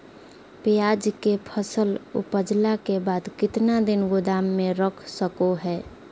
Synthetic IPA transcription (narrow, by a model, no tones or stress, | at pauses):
pejad͡ʒkepʰəsəlṵpəd͡ʒlakebad̪kɪt̪nad̪ɪnɡod̪amːeɾəkʰsəkoɦɛ